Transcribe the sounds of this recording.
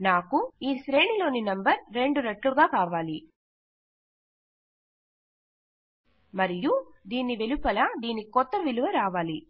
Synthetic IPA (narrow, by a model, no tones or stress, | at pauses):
naːkuiːsɾeːɳilo̞ːninɐmbɐɾɾe̞ɳɖuɾɐʈːluɡaːkaːʋaːli | mɐɾijud̪iːnːiʋelupːɐlɐd̪iːnikɔt̪ːɐʋiluʋɐɾaːʋaːli